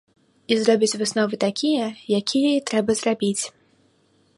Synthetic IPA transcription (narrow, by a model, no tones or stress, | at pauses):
izɾɔbʲit͡sʲvɨsnɔvɨt̪akʲijɐjakʲijɛit̪ɾɛbɐzrabʲit͡sʲ